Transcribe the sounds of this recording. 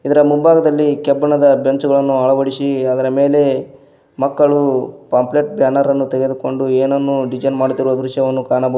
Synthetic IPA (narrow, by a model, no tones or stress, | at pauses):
id̪ɐɾɐmumbaːɡɐd̪ɐlːikɛbːɐɳɐd̪ɐbjɐɲt͡ʃuɡɐɭɐnːuɐɭɐʋɐɽisiɐd̪ɐɾɐme̞ːle̞ | mɐkːɐɭupaːmpleʈ̚bjaːnɐɾɐnːut̪eɡe̞d̪uko̞ɳɖueːnɐnːuɖid͡ʒɐnmaːɽit̪iɾoːɐd̪ɾuʃjɐʋɐnːukaːnɐbɐ